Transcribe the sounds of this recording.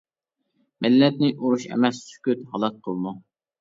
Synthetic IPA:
mɪlːɛt̪̚nɪʔuɾuʃɛ̰mɛsːy̥kʲyt̪ɦɑlˠɑt̪̚qʰəlˠmu

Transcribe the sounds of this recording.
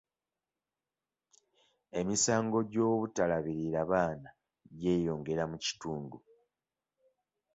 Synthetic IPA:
e̞misaːŋɡo̞ɟo̞ːβutalaβiɾiɾaβaːna | ɟe̞ːjo̞ːŋɡe̞ɾamuci̥tuːndu

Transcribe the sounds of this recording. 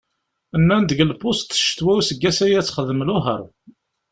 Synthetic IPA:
ənːænd̪əʝəlpːʊst̪ə̥ʃt̪wæusəɡːæsæjæt͡sːχəðəmlʊɦə̰ɾˤ

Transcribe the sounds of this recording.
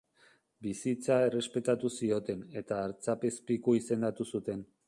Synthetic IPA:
bisit͡sae̞re̞spe̞t̪at̪usio̞t̪e̞ne̞t̪aːɾt͡sape̞spikoise̞nd̪at̪usut̪e̞n

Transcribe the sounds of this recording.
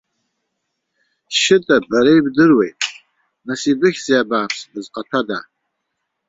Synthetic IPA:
ʃɪtʼabaɾejbdɨrwejtʼ | nasibɨxʲz̥iabaːpʰsdɨzqʼatʰada

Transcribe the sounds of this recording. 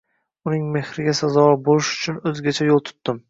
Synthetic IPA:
ʊnɪŋme̞hɾɪɡʲasazɒbolɪʃʊ̥t͡ʃʰʊnɵzɡʲat͡ʃʰajolˠt̪ʰʊ̥t̪ːɪm

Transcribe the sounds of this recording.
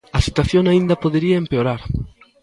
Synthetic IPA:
ɐsit̪waθjoŋaĩnd̪ɐpoðeɾiɐempeoɾaɾ

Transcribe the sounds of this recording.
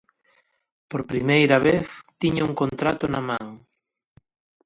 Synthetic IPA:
poɾpɾimejɾɐβeθt̪iɲauŋkont̪ɾat̪ʊnɐmãŋ

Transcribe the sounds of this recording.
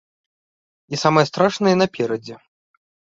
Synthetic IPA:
isamɨjɛst̪ɾaʂnɨjɛnɐpʲɛɾɐd͡zʲɛ

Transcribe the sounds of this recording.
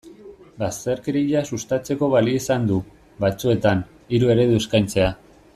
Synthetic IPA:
bast̪eɾkɾiʎasust̪at͡se̞ko̞βaliisand̪u | βat͡sue̞t̪an | iɾue̞ɾe̞ðueskajnt͡se̞a

